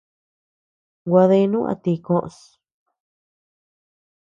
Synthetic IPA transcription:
ɡʷa˧ðe˧nũ˦ã̰˧t̪i˧kõ˧ʔs

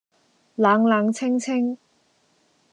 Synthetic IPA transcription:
laː˨˧˥ŋlaː˨˧ŋt͡sʰɪ˥ŋt͡sʰɪ˥ŋ

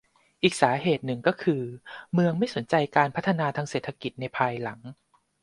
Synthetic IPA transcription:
ʔiː˨˩k̚saː˩˦ɦeː˨˩t̪̚nɯ˨˩ŋkɔː˥˩kʰɯː˧mɯ˧əŋma˥˩jso˩˦nt͡ɕa˧jkaː˧npʰt̪ʰːa˧naː˧t̪ʰaː˧˥ŋseː˨˩t̪ʰːa˧ki˨˩t̪̚na˧jpʰaː˧jla˩˦ŋ

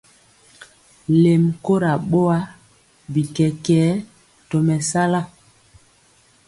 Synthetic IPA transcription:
le˨mko˦ɾa˨ɓo˦a˦ | bi˨kɛ˨kɛː˨˦ | to˨mɛ˨sa˦la˦˨

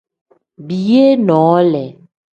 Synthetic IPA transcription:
bi˨je˦nɔ̃˨˦lɛ˨

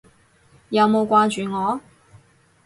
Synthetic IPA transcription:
jɐ˨˧wmo˨˧wkʷwaː˥t͡ʃyː˨ŋɔː˨˥

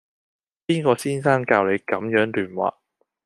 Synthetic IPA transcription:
piː˥nkɔː˧siː˥nsaː˥nkaː˧wle˨˧jkɐ˨˥mjœː˨˥ŋlyː˨˩nwa̰ː˨

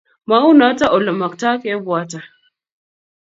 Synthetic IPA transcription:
ma˦u˦na˦ta˦ʔɔ˨lɔ˨ma˨kta˦ke˦bʊ˨a˦ta˨

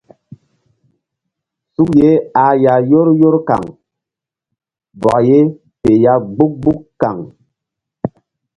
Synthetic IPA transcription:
su˦k̚je˦a˨˦ja˨jo˦ɾjo˦ɾka̰˨ŋ | bɔ̰˨ʔje˦ | pe˨ja˦ɡ͡bu˦k̚ɡ͡bu˦kka̰˨ŋ

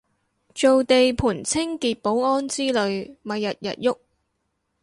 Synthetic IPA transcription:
t͡ʃo˨wt̪e˨jpʰuː˨˩nt͡sʰɪ˥ŋkiː˨t̚po˨˥wŋɔː˥nt͡siː˥lɵ˨˧ɥmɐ˨jːɐ˨t̚jɐ̰˨t̚jʊ˥k̚

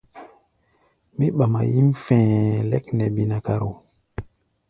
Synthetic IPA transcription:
mi˦ɓa˨ma̰˨ji˦mfɛ̃˨lɛ˦knɛ˨bi˨na˨ka˨ɾo˨

